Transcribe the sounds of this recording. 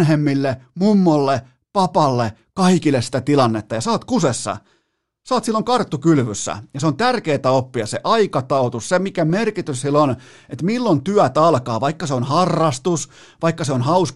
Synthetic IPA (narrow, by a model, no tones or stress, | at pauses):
nɦemːilːemumːolːe | pɑpɑlːe | kɑikilːessi̥t̪æt̪ilɑnːet̪ːɑjɑsɑːt̪kusesːɑ̰ | sɑːt̪silːoŋkɑrt̪ːukylʋysːæ̰jɑseont̪ærkeːt̪æopːiɑseʔɑikɑt̪ɑut̪ussemikæmerkit̪yssilon | et̪milːont̪yæt̪ɑlkɑːʋɑikːɑseonhɑrːɑst̪us | ʋɑikːɑseonhɑus